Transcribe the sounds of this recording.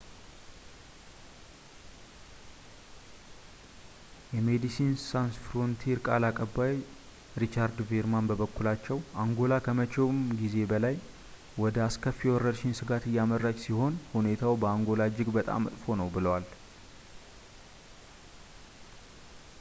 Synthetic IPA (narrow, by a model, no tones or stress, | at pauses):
jɛmed̪isinsansfɾont̪ʰiɾkʼalakʼəbːaj | ɾit͡ʃaɾd̪veɾmanbəbəkːulat͡ʃːɛwaŋɡo̞lakʰəmət͡ʃʼewmɡize̞bəlaj | wɔd̪əaskʰəfːiɛwɔrəɾʃɪnsɨɡat̪ɨjːamərːat͡ʃʼsiho̞nhune̞t̪ʰawbəaŋɡo̞lad͡ʒɪɡbət̪ʼa̰mːə̰t̪ʼfo̞nəwbɨləwal